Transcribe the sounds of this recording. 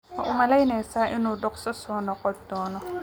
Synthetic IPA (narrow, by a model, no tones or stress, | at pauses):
mɐ̰ʔʊmɐlɐjnɛjsaːʔɪnuːɖɔqsɐsɔːnɔqɔd̪ɔːnɔ